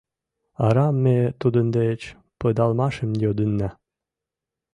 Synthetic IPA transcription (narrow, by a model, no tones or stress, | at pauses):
ɑ̰ɾɑmːet̪ud̪ənd̪et͡ɕ | pəd̪ɑlmɑʃəmjod̪ənːæ